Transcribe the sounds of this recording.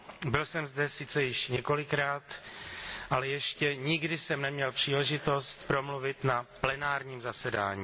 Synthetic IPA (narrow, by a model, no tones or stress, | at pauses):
bɪlsɛmzdɛsɪt͡sɛjɪʃɲɛko̞lɪkɾaːt̪ | ʔalɛjɛʃcɛɲɪɡdɪsɛmnɛmɲɛlpr̝̥iːlɛʒɪt̪o̞st̪pɾo̞mluvɪt̪naplɛnaːɾɲiːmzasɛda̰ːɲiː